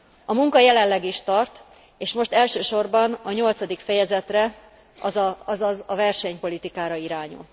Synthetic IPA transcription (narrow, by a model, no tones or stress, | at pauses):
ɒmuŋkɒjɛlɛnlːɛɡiʃt̪ɒrt̪ | eːʃmo̞ʃt̪ɛlʃøːʃo̞rbɒnɒɲo̞lt̪sɒd̪ikfɛjɛzɛt̪rɛ | ɒzɒzɒzɒvɛrʃɛɲpo̞lit̪ikaːɾɒiɾaːɲṵl